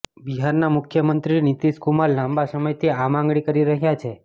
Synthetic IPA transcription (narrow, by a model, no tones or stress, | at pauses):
biɦaɾnamʊkʰjəmənt̪ɾinit̪iskumalːãmbasəməjt̪ʰiamãŋɡɭikəɾiɾəɦjat͡ʃʰe